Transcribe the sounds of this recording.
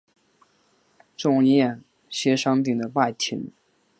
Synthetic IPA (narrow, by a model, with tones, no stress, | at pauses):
ʈ͡ʂʊ˥˧ŋjɛ˥˩n | ɕɛ˥ʂɑ˥ŋpi˥˩ŋd̪ə˦pa˥˩t̪ʰḭ˧˥n